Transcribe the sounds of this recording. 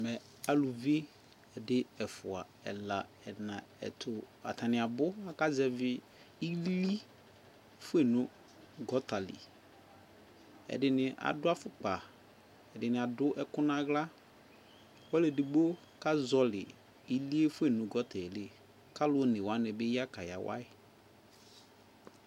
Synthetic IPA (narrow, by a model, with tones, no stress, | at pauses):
mɛ˨ | a˨lu˨vi˦e˦ | ɛ˨dɪ˦ɛ˨fʊ˨a̰˨ | ɛ̰˨la˨ | ɛ˨nã˨ɛ̰˨tʰʊ˨a̰˨tʰa˨nɪ̃˨a˨bʊ˦a˦ka˦zɛ˦vɪ˦ | i˦li˦ | fʊ˦e˦˨nʊ̃˦ | ɡɔ˦ta˨lɪ̰˨ | ɛ̰˨dɪ˨nɪ˨ʔa̰˨dʊ˦a˦fʊ˦k͡pa˨ | ɛ˨dɪ˨nɪ̃˨a˨dʊ˦ʔɛ˦kʊ˦nã˦ɣla˦ | wɔ˦lɛ˨di˨ɡ͡bo˦ | ka˦zɔ˨lɪ˨ | i˦li˦e˦fʊ˦e˦˨nʊ̃˨ɡɔ˦tɛ˨le˦ | ka˦lʊ˦nɪ̃˨wa˦nɪ̃˨bɪ˦ja˦ka˨ja̰˨wa̰˦ɪ˨